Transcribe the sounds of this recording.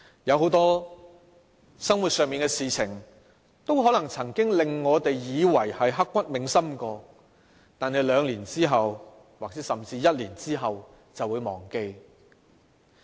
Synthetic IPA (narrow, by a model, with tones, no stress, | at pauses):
jɐ˨˧wɦo˨˥wt̪ɔː˥ | sɐ˥ŋwu˨t̚sœː˨˧ŋmiː˨nkɛː˧siː˨t͡sʰɪ˨˩ŋ | t̪o˥wɦɔː˨˥lɐ˨˩ŋt͡sʰɐ˨˩ŋkɪ˥ŋlɪ˨ŋːɔː˨˧t̪e˨jjiː˨˧wɐ˨˩jhɐ˨jɦɐ˥kːʷɐ˥t̚mɪ˨ŋsɐ˥mkɔː˧ | t̪aː˨nɦe˨jlœː˨˧ŋliː˨˩nt͡siː˥ɦɐ˨w | waː˨k̚t͡sɛː˨˥sɐ˨˩mt͡siː˧jɐ˥t̚liː˨˩nt͡siː˥ɦɐ˨w | t͡sɐ˨wuː˨˧jmɔː˨˩ŋke˧j